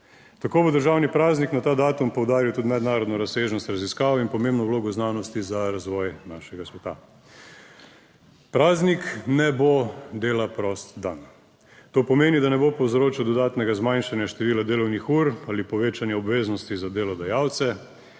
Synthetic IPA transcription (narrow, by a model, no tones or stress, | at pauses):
t̪akoːbod̪əɾʒaːwnipɾaːzniknat̪aːd̪aːt̪umpɔwd̪aːɾiwt̪ud̪mɛd̪naːɾɔd̪nɔɾaseːʒnɔst̪ɾaziskaːʋinpɔmembnɔwloːɡɔznaːnɔst̪izaɾazʋɔːjnaʃɛɡasʋɛt̪a̰ | pɾaːzniknɛbod̪eːlapɾɔst̪d̪an | t̪oːpɔmeːnid̪anɛbopɔwzɾoːt͡ʃiwd̪ɔd̪aːt̪nɛɡazmanʃanjaʃt̪ɛʋiːlad̪eːlɔwnixuɾalipɔʋeːt͡ʃanjɛɔbʋeːznɔst̪izad̪eːlɔd̪ajaːwt̪sɛ